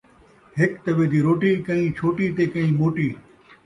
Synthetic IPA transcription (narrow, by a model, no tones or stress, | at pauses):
ɦɪkt̪ɐʋeːd̪iːɾoːʈiːkɐɦĩːt͡ʃʰoːʈiːt̪eːkəĩːmoːʈiː